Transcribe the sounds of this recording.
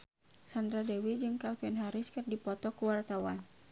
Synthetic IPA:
sandɾadɛwid͡ʒɨŋkalpiɛnɦaɾɪskɨrdipɔt̪ɔkuwart̪awan

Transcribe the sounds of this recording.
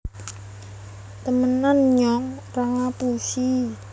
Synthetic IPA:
t̪əmənanɲɔŋ | raŋapusi

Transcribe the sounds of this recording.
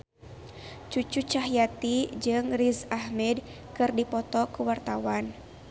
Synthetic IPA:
t͡ʃut͡ʃut͡ʃaɦjat̪id͡ʒɨŋrizahmɛd̚ | kɨrdipɔt̪ɔkuwart̪awan

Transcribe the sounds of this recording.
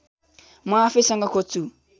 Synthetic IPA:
mafesaŋɡakʰot͡su

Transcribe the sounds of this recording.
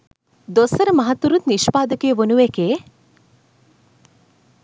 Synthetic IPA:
d̪osɐɾəmɐɦat̪ːuɾut̪niʃpaːd̪əkejəʋonuʋekeː

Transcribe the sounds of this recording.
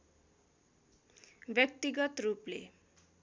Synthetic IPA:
bjʌk̚t̪iɡʌt̪ruplḛ

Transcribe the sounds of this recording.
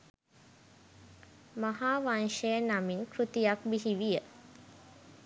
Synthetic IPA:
maɦaːʋanʃejənaminkɾut̪ijak̚biɦiʋijə

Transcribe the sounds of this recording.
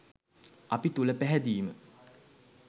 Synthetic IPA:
ɐpit̪uləpæɦɛd̪iːmə̰

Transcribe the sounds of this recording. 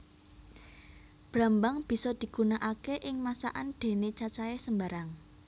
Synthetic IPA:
b̥ɾa̤mbaŋb̥i̤sɔd̪̥i̤ɡ̥unaʔakeʔɪŋmasa̰ʔand̪̥e̤net͡ʃat͡ʃaɛsəmbaɾaŋ

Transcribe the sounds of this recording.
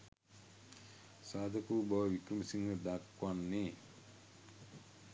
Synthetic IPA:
saːd̪ʱɐkuːbɐʋʋikɾumɐsiŋɡɐd̪akwanːi

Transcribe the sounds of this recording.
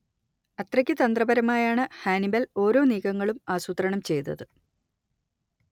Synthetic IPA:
ɐt̪rɐkʲːɨt̪ɐnd̪rɐbɐɾɐmaːjaːɳɨhaːnibɐlo̞ːɾo̞ːniːkɐŋːɐɭumaːsut̪ɾɐɳɐmt͡ɕe̞jt̪ːɐ̰ðɨ

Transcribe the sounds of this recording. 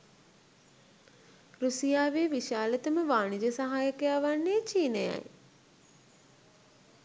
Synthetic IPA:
ɾusijaːʋeːʋiʃaːlət̪əməʋaːɳid͡ʒəsaɦaːjəkəjaːʋanːeːt͡ʃiːneja̰j

